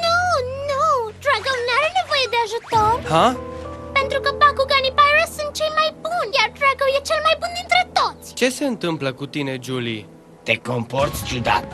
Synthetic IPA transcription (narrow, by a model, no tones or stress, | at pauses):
nunud̪ɾaɡownaɾene̞vo̞jed̪e̞aʒut̪orhape̞nt̪ɾukəpakuɡanipajɾəssunt̪̚t͡ʃejmajbunjard̪ɾaɡowjet͡ʃe̞lmajbund̪int̪ɾe̞t̪o̞t̪sʲt͡ʃe̞se̞ɨnt̪ɨmpləkut̪ine̞d͡ʒuli | t̪e̞ko̞mport̪sʲt͡ʃud̪a̰t̪